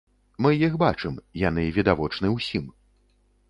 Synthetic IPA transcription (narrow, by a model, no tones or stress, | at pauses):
mɨjixbat͡ʂɨmjanɨvʲid̪avɔt͡ʂnɨwsʲim